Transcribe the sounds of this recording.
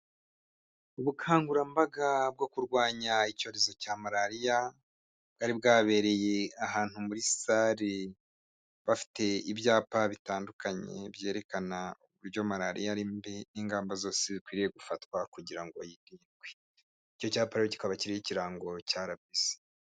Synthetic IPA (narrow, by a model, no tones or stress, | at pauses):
uβukʰaːŋɡuɾambaɡab̚ɡo̞kuɾɡwaːɲaico̞ːɾe̞zocamaɾaɾija | ɡaɾib̚ɡaːβe̞ːɾe̞je̞aɦaːn̥humuɾisaɾi | βafi̥te̞ibjaːpaβitaːndukaɲe̞̰bje̞ːɾe̞kanauβuɾɟomaɾaɾḭjaɾimbeniːŋɡaːmbazo̞ːsezikwiːɾije̞ɡufatkwakuɟiɾaŋɡo̞jiniɾɡwe | ico̞caːpaɾejoci̥kaβaciɾijiciɾaːŋɡo̞caːɾabise̥